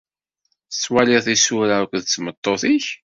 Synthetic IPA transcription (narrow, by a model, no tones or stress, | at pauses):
sːwalɪθisʊɾaɾkʷðt͡sːmət̪ˤːoθiç